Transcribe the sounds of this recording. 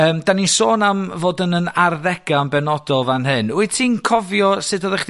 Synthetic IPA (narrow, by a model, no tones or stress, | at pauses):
əːmdanisoːnamvoːdənənarðɛɡ̥ambɛnɔdɔlˠvanɦɨnuɨtʰiːnkʰɔvjɔsɨdɔðɛχd